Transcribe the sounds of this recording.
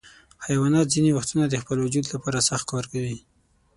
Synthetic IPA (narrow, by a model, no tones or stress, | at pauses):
hajwɑnɑt̪zinewaxt̪unad̪əxpəlwʊd͡ʒud̪lapɑɾasaxt̪̚kkɑɾkawi